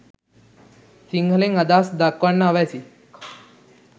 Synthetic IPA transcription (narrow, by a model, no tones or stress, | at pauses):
siŋɡʱlẽŋɡəd̪asd̪akʋanːaaʋajt͡siː